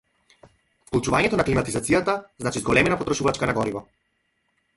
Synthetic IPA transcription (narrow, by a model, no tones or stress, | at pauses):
fklˠut͡ʃuvaɲɛt̪ɔnaklimat̪izat̪sijat̪aznat͡ʃizɡɔlɛmɛnapɔt̪ɾɔʃuvat͡ʃkanaɡɔɾivɔ